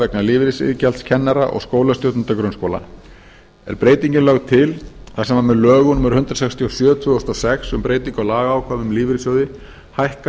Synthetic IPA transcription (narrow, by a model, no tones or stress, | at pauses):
ɛknaliːvɪɾɪsɪ̰ðɪcɛlt̪scʰɛnːaɾa̰ʔɔ̰ɣskoːwlast̪jowt̪ʏnt̪akɾʏnskowla̰ | ɛ̰ɾpɾeːjt̪iɲcɪnlaɣt̪ʰɪlθasɛmamɛðlœːɣʏnʏmʏɾ̥hʏnt̪ɾasɛkst̪ʰijosjœːt̪ʰvʏːðɔst̪ɔsɛxsʏmpɾeːjt̪iŋkalaːɣaːwkʰvaːvʏmliːvɪɾɪsjœwðɪ | hajhka